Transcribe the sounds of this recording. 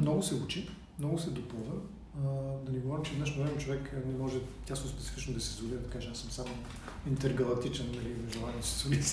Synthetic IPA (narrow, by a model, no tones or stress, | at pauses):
mnɔɡʊsɛut͡ʃi | mnɔɡʊsɛd̪opɔd̪ə | d̪ɐniɡovaɾimt͡ʃɛd̪ɛʃnovɾɛmɛt͡ʃovɛknɛmɔʒɛt̪ʲasnospɛ̥t̪si̥fit͡ʃnʊd̪ɐsɛzudiɾɐt̪ɐkat͡ʃɛasəmsamo | int̪ɛɾɡɐlˠɐk̚t̪it͡ʃɛnːɐlivʒɛlˠannst̪solis